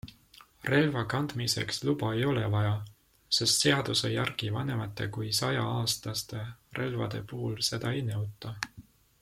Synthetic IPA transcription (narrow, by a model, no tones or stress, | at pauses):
re̞lvɑkɑnd̪̥mise̞̰kslub̥ɑe̞jo̞le̞vɑjɑ | se̞st̪se̞ɑd̪̥usejɑrɡ̥ivɑne̞mɑt̪ːˑe̞̰kujsɑjɑɑːst̪ɑst̪e̞rʔe̞lvɑ̰d̪̥e̞̰puhulse̞d̪̥ɑejnɤwt̪ːˑɑ